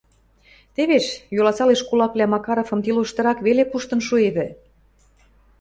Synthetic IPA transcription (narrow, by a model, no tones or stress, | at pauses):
t̪eβeʃjolɑsɑleʃkulɑklʲæmɑkɑɾofɤ̆mt̪iloʃt̪ɤ̆ɾɑkβelepuʃt̪ɤ̆nʃueβɘ̆